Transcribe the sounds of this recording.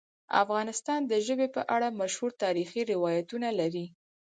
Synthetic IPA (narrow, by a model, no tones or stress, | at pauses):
a̰fɣɑnɪst̪ɑnd̪əʒəbepə̰ʔaɽamaʃhuɾt̪ɑɾixiɾɪwɑjat̪unalaɾi